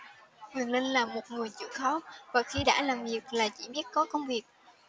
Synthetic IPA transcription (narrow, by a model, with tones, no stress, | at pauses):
kwi˨˩əŋlï˧ŋ̟laː˨˩mo˨˩t̚ŋɨ˨˩əjt͡ɕɨ̰˧˥xɔ˨˦vaː˨˩xi˧ɗa̰ː˧˥laː˨˩mvi˨˩ək̚laː˨˩t͡ɕḭ˧˥ɓi˦˥ət̚kɔ˨˦kə˧wŋ͡mvi˨˩ək̚